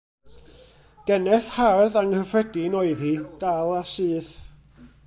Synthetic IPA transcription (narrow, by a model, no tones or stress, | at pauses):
ɡ̥ɛnɛθharðaŋhəfrɛdinoɨðhid̥alˠasɨːθ